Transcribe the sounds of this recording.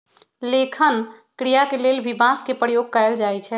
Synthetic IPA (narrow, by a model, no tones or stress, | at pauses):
lekʰən | kɾijakelelbʱibãskepɾəjoɡ̚kaeld͡ʒajt͡ʃʰɛ